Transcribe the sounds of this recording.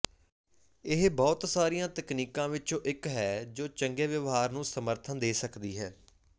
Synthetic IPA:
ɪɦbɔːt̪saːɾijãːt̪əkniːkãːʋɪt͡ʃõːʔɪkɦɛːd͡ʒoːt͡ʃəŋɡeːʋəʋɦaːɾnũːsəməɾt̪ʰənd̪eːsəkd̪iːɦɛː

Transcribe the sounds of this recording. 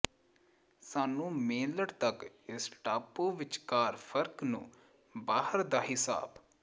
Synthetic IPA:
saːnũːmẽːləɽt̪ək | ɪsʈaːpoːʋɪt͡ʃkaːɾpʰəɾknṵ̃ː | baːhəɾd̪aːɦɪsa̰ːb

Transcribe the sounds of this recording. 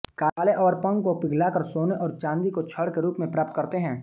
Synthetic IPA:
kaleʔɔːɾpɐ̃ŋɡkopɪɡʱlakəɾsoːneʔɔːɾt͡ʃãːnd̪ikot͡ʃʰəɽkeɾuːpmẽpɾaːp̚t̪kɐɾt̪eɦɛ̃ː

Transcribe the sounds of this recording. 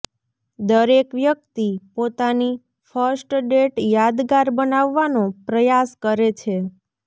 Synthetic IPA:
d̪əɾekʋjək̚t̪ipot̪ani | fəɾsʈɖeʈjad̪ɡaɾbənaʋːanõpɾəjaskəɾet͡ʃʰe

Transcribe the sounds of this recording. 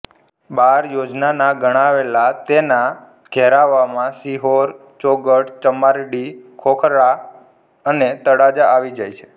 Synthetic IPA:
baɾjod͡ʒnanaɡəɽ̃aʋelat̪ena | ɡ̥ʱɛɾaʋamãsiɦoɾ | t͡ʃoɡəʈt͡ʃəmaɾɽikʰokʰɾa | ənet̪əɽad͡ʒaaʋid͡ʒajt͡ʃʰe̥

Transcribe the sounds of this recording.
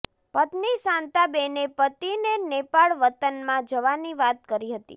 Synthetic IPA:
pət̪niʃãnt̪abenepət̪inenepaɭʋət̪ənmãd͡ʒəʋaniʋat̪kəɾiɦət̪ḭ

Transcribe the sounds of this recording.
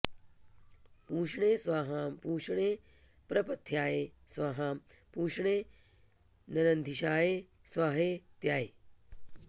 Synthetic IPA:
puːʃɳeːsʋaːɦaːmpuːʃɳeː | pɾɐpɐt̪ʰːjaːeːsʋaːɦaːmpuːʃɳeː | nɐɾɐnd̪ʱiʃaːjeː | sʋaːɦeːt̪jaːe

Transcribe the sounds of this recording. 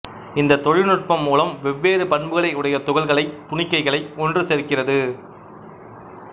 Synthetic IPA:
ɪnd̪ɐt̪ɔɻɪnɯʈ̚pɐmːuːlɐmʋɛʋːeːɾɯpɐɳbɯɣɐɭɐɪɯɽɐjɐt̪ʊɣɐɭɣɐɭɐɪt̪ʊɳɪkːɐɪɣɐɭɐɪɔndrɯsɛɾkːɪrɐðɯ

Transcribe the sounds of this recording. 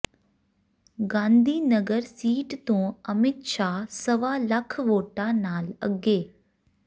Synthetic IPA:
ɡãːnd̪ʱiːnəɡəɾsiːʈt̪õːəmɪt̪ʃaːsəʋaːlɐkʰʋoːʈanaːlə̰ɡeː

